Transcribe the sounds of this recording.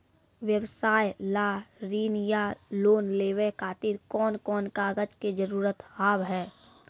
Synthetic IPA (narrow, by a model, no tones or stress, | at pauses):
ʋjəbsaːjlaːɾiːnjaloːnleːʋekʰaːt̪ɪɾkɔːnkɔːnkaːɡəd͡ʒked͡ʒəɾuːɾət̪aːbɦɛː